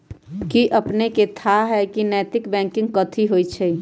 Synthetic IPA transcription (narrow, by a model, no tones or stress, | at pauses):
kiʔəpneket̪ʰaɦɛkinɛːt̪ɪkbɛ̃ŋkɪ̃ŋɡkət̪ʰiɦojt͡ʃʰɛ